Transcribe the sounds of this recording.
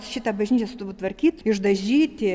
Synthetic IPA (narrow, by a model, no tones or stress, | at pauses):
ʃʲɪt̪ɐbɐʒʲnʲiːt͡ʃʲɛsʊt̪uʋut̪ʋɐɾʲkʲiːt̪ɪʒd̪ɐʒʲiːt̪ʲɪ